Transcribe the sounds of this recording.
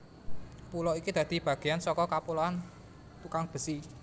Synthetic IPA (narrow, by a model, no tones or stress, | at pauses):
pulɔikid̪̥ä̤d̪̥i̤b̥ä̤ɡ̥e̤jansɔkɔkapulɔan | t̪ukaŋb̥ə̤si